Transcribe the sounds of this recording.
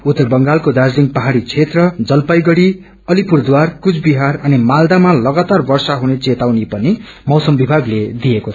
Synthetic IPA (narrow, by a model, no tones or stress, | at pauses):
ut̪ːʌbʌŋɡalkod̪ad͡zliŋɡpʌɦaɽit͡sʰet̪rʌd͡zʌlpajɡʌɽi | ʌlipurd̪warkut͡sʰbiɦarʌnimald̪amalʌɡat̪arbʌrsaɦunet͡set̪awnipʌnimʌwsʌmbibʱaɡled̪ijekot͡sʰʌ